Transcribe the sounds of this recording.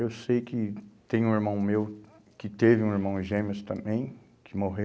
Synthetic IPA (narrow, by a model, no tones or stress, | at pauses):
ewsejkɪt̪ẽj̃ũiɾmɐ̃w̃mew | kɪt̪evɪũiɾmɐ̃w̃ʒẽmɪst̪ɐ̃mbẽj̃ | kʰɪmoɦe